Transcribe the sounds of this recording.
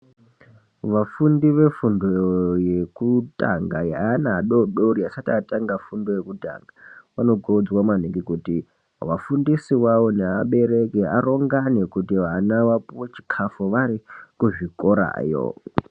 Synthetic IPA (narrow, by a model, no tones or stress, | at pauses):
ʋafundiʋe̞fundojekutʼa̰ŋɡajaːnaɗoɗouɾiasatiatʼaŋɡafundojekutʼa̰ŋɡawano̞ɡʱod͡zwaman̤iŋɡikuti | wafundisiwawo̞neaɓe̞ɾe̞kearo̞ŋɡanekutiʋanawapuwet͡ʃi̥kʰafuʋaɾikuʐikʼoɾa̰ːjo̰